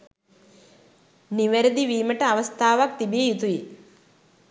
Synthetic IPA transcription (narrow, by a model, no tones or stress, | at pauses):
niʋeɾɐd̪iʋiːməʈəaʋɐst̪ʰaːʋak̚t̪ibiejut̪uji